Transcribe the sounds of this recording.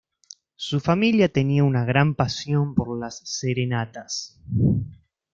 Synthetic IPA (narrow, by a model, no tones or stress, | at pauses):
sufamiljat̪e̞niaunaɣ̞ɾampasjo̞mpo̞ɾlasːeɾe̞nat̪as